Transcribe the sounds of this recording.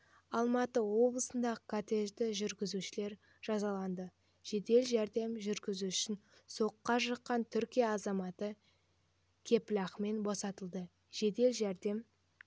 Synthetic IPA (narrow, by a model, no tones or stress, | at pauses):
ɑlˠmɑt̪əwo̞blˠəsənd̪ɑʁəkʰot̪e̞ʒd̪ɪʒʏɾɡʲɪzuʃɪle̞ɾ | ʒ̥ɑzɑlˠɑnd̪ə | ʒ̥e̞d̪e̞lʒæɾd̪e̞mʒʏɾɡʲɪzuʏʃɪnso̞qːɑʃəqːɑnt̪ʰʏɾkʲijɑːzɑmɑt̪ə | kʲʰe̞pɪlɑχme̞nbosɑt̪əlˠd̪ə | ʒ̥e̞d̪e̞lʒæɾd̪e̞m